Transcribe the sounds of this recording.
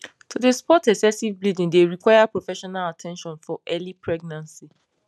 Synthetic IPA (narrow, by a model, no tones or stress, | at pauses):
tudespɔtɛksɛsivblidĩndeɹikwajapɹofɛʃɔnalatʰɛ̃nʃɔ̃nfɔʔɛlipʰɹɛɡ̚nãnsi